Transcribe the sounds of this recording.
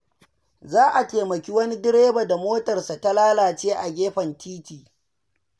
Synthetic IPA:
zaː˦ʔa˨teː˨mɐ˨kʲi˦wɐ˦ni˦dɪ˦ɾeː˦ba˨da˨moː˦tɐ˨rsa˨ta˦laː˦laː˨t͡ʃeː˦ʔa˨ɡʲeː˦ɸɐ˨ntiː˦tiː˨

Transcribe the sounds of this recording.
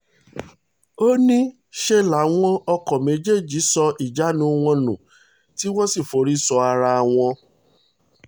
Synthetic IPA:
o˦nĩ˦ | ʃe˧la˨˦w̃ɔ̃˦ɔ˧kɔ˨me˨˦d͡ʒe˦˨d͡ʒi˨˦sɔ˧i˨d͡ʒa˨˦nũ˧˦˧w̃ɔ̃˧nṵ̃˨ | ti˦w̃ɔ̃˦si˦˨fo˨˦ɾi˦sɔ˧a˧ɾa˧w̃ɔ̃˧

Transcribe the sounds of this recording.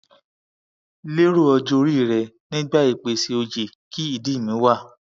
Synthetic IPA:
le˦ɾo˦˨ɔ˧d͡ʒo˧ɾi˦˨ɾɛ˨nĩ˦ɡ͡ba˦i˦˨k͡pe˧si˧o˧d͡ʒe˨ | ki˦i˦˨di˦˨mĩ˨˦wa˦˨

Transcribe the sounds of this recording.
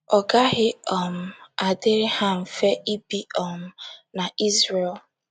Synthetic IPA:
ɔ˨ɡa˦ɦɪ˦ɔ˨m̩˨a˨dɪ˦ɾɪ˦ha˦ɱ̩˨fe˦ʔi˦bi˦ɔ˨m̩˦na˨i˦zɾe˨l

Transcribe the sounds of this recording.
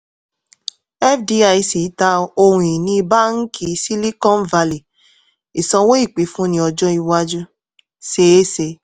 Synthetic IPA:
ɛ˦fdi˧a˧i˧si˨˦ta˧o˧ɾũ˧˨i˨nĩ˧˦ba˦ŋ̩˦kʰi˧si˦li˦kɔ̃˦n̩˦va˧li˨ | i˨sɔ̃˧wo˦i˦˨k͡pi˨˦fũ˦nĩ˧˦ɔ˧d͡ʒɔ̃˦i˧wa˧d͡ʒu˦ | se˨˦se˧

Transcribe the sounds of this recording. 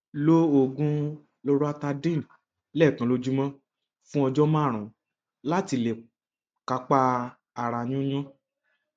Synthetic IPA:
lo˦o˦˨ɡũ˦ | lo˦ɾo˦a˧ta˧dĩ˦˨ | lɛ˦˨kã˨lo˧d͡ʒu˦mã˦ | fũ˦ɔ˧d͡ʒɔ˦mã˦˨ɾ̃ũ˨ | la˦ti˧le˨ | ka˧k͡pa˧ | a˨ɾa˧nũ˦ɲũ˦

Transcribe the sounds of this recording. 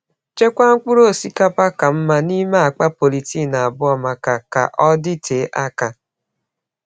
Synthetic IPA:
t͡ʃe˦kʷa˦ŋ̩˦k͡pu˦ɾo˦˨si˦ka˦pa˦ka˨m̩˦ma˦ni˦ma˦a˨k͡pa˦po˨li˨ti˦˨na˨a˨bʊ˦ɔ˨ma˨ka˨ka̰˨ʔɔ˦dɪ˦tʰe˨˦ʔa˦ka˨

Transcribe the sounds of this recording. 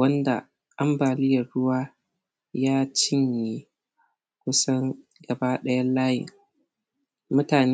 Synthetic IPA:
wɐ˦nda̰˨ | ʔa˦mbaː˨lɪ˦jɐ˨rɽʊ˦waː˦ | jaː˦t͡ʃɪ˦ɲje˦ | kʷʊ˦sɐ˦ŋ | ɡɐ˨ba˦ɗɐ˦jɐ˦laː˦jɪ̰˨ŋ | mʊ˦taː˨n

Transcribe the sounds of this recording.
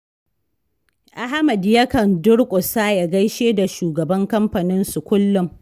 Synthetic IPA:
ʔa˦ɦa˦mɐ˨djɐ˦kɐ˨ndʊ˦ɽkʷʼʊ˨saː˦ja˨ɡɐ˦jʃeː˦da˨ʃuː˨ɡɐ˨bɐ˦ŋkɐ˦mɸɐ˨nɪ˦nsu˨kʷʊ˦lːʊ˦m

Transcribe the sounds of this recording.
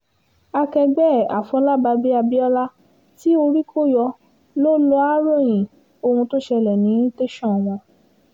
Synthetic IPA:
a˧kɛ˧ɡ͡bɛ˦˨a̰˨fɔ̃˨˧˦la˦ba˧bi˦a˧bi˦ɔ˦la˦ | ti˦o˧ɾi˦kʰo˦jɔ˧ | lo˦lo˦a˦ɾɔ̃˦˨j̃ĩ˨ | o˧hũ˧to˦ʃɛ˧lɛ˨nĩ˨˦te˦ʃɔ̃˦˨w̃ɔ̃˧

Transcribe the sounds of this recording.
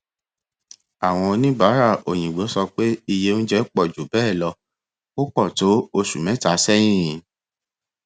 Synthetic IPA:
a˨w̃ɔ̃˧nĩ˦ba˨˦ɾa˦˨o˨j̃ĩ˨ɡ͡bo˨˦sɔ˧k͡pe˦i˧je˦n̩˦d͡ʒɛ˦k͡pɔ˦˨d͡ʒo˨bɛː˦˨lɔ˧ | o˦k͡pɔ˦˨to˨˦o˧ʃu˨mɛ̃˨˦ta˨˦sɛ˦j̃ĩ˦˨

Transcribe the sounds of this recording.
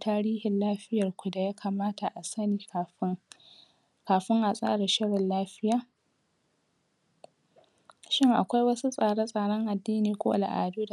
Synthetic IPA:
tʰaː˦ɽiː˦hɪ˨nlaː˦ɸɪ˦jɐ˨rkʷʊ˨da˨jaː˦kʰaː˨maː˦ta˨ʔa˨sɐ˦niː˨kːɸ | kaː˨ɸɪ˦ŋʔa˨sʼa̰ː˦ɽa˨ʃɪ˦ɽɪ˨nlaː˦ɸɪ˦jaː˨ | ʃɪ˦ŋʔa˨kʷa˦jwɐ˦su˦sʼaː˨ɽa˦sʼaː˨ɽɔ˦ŋʔa˨dːiː˦niː˨kʷo̰˦ʔa̰˨la̰˨ʔa̰ː˨duː˦da˨

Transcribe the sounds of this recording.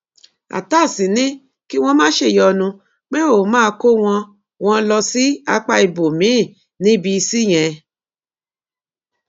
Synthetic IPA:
a̰˨ta˦˨sĩ˨˦nĩ˦ | ki˦w̃ɔ̃˧mãː˦ʃe˧˨jɔ˧nũ˧ | k͡pe˦o˨˦mãː˦˧ko˦w̃ɔ̃˧ | w̃ɔ̃˧lɔ˧si˦a˧˦k͡pa˧i˧bo˨mĩ˨˦˨ | nĩ˦bi˧si˦˨j̃ɛ̃˧

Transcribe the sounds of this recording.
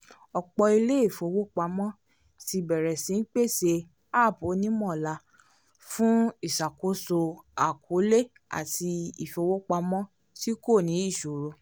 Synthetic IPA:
ɔ˧k͡pɔ˧i˧le˦i˦˨fo˧wo˦k͡pa˧mɔ̃˦ | ti˧bɛ˨ɾɛ˨sĩ˨˦n̩˦k͡pe˦˨se˧ | a˦˨po˨˦nĩ˦mɔ̃˦˨la˧ | fũ˦i˦˨ʃa˨ko˨˦so˧a˨kʰo˨˦le˦ | a̰˨ti˧i˨fo˧wo˦k͡pa˧mɔ̃˦ | ti˦ko˦˨nĩ˨˦i˦˨ʃo˨ɾo˧

